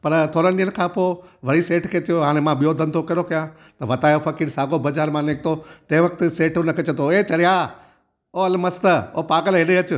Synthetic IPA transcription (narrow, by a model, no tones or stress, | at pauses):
pɐɾt̪ʰoːɾənɗiːəñkʰãːpoːʋɐɽiseːʈkʰeːt̪ʰijoɦaːɽ̃emãɓijod̪ʱɐənt̪ʰokɐɾokɐjã | t̪ɐʋɐt̪aːjofɐkiːɾsaːɡobɐd͡ʒaːɾmãneːk̚ʰt̪ʰot̪ɐ̃ɦɪ̃ʋɐkt̪ɪseːʈʊnəkʰeːt͡ɕɐt̪ʰoet͡ɕɐɾijaː | oːɐlmɐst̪əoːpaːɡəlɦɪɗeɐt͡ɕʊ